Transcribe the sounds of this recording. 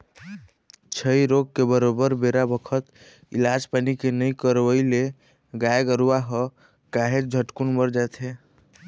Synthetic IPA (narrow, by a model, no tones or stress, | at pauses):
t͡ʃʰəiɾoɡ̚kebəɾobəɾbeɾabəkʰət̪ | ḭlad͡ʒpanikenəjkəɾʋəɪle | ɡaeɡəɾuaɦɔ | kaɦed͡ʒd͡ʒʱəʈkunbəɾd͡ʒat̪ʰɦe